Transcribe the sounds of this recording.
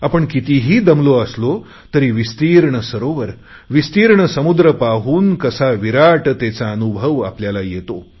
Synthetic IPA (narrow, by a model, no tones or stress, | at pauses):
apəɳkit̪iɦiːd̪əmloəslo | t̪əɾiːʋist̪iːɾɳəsəɾoʋəɾ | ʋist̪iːɾɳəsəmud̪ɾəpaɦuːnkəsaʋiɾaʈt̪et͡saənubʱəʋa̰pljalajet̪o